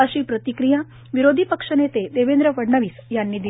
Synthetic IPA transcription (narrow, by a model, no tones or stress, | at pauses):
əɕiːpɾət̪ikɾija | ʋiɾod̪ʱipəkʂənet̪ed̪eʋend̪ɾəʋəɽɳəʋiːsjanːiːd̪i